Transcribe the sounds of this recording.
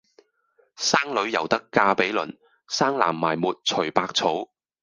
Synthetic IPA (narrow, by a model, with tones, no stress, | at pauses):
saː˥ŋlɵ˨˥ɥjɐ˨˩wt̪ɐ˥kːaː˧pe˨˥jlɵ̰˨˩n | saː˥ŋla̰ː˨˩mːa̰ː˨˩jmuː˨t̚t͡sʰɵ˨˩ɥpaː˧k̚t͡sʰo˨˥w